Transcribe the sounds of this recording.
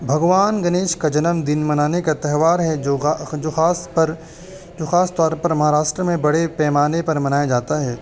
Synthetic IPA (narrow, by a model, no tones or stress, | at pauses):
bʱɐɡʋaːnɡɐneːʃkad͡ʒɐnəmd̪ɪnmɐnaːnekat̪ɛɦʋaːɾɦɛd͡ʒod͡ʒoːxaːspɐɾ | d͡ʒoːxaːst̪ɔːɾpɐɾmɐɦaːɾaːʃʈɾəmẽbɐɽepɛːmaːnepɐɾmɐnaːjad͡ʒaːt̪aɦɛː